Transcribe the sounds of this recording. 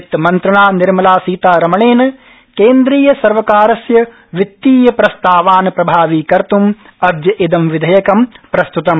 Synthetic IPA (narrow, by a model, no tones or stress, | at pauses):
t̪mɐnt̪ɾɐɳaːniɾmɐlaːsiːt̪aːɾɐmɐɳeːnɐ | keːnd̪ɾiːjɐsɐɾʋɐkaːɾɐsjɐ | ʋit̪ːiːjɐpɾɐst̪aːʋaːnɐpɾɐbʱaːʋiːkɐɾt̪um | ɐd̪jɐʔid̪ɐmʋid̪ʱɐjɐkɐmpɾɐst̪ut̪ɐm